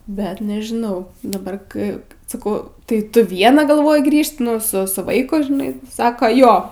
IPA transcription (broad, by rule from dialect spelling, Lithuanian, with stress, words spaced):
ˈbʲɛt nʲɛʒʲɪˈnɐʊ dɐˈbɐr ˈkɜ sɐˈkɐʊ tɐɪ ˈtʊ ˈʋʲiɛnɐ ɡɐlˠˈʋoːjɪ ˈɡrʲiːʃt ˈnʊ sʊ ˈsʊ ˈʋɐɪkʊ ʒʲɪˈnɐɪ ˈsɑːkɐ ˈjoː